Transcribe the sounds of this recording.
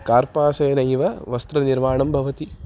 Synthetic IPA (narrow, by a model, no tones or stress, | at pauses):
kaːɾpaːsɐjɐnɐjʋɐʋɐst̪ɾɐniɾmaːɳɐmbʱɐʋɐt̪i